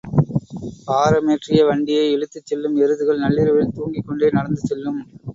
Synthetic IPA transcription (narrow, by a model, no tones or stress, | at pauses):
paːɾɐmeːʈrɪjɐʋɐɳɖɪjɐɪɛɻɯt̪ːɯt͡ʃːɛlːɯmɛɾɯðɯɣɐɭnɐlːɪɾɐʋɪlt̪uːŋɡɪkːɔɳɖeːnɐɽɐnd̪ɯt͡ʃːɛlːɯm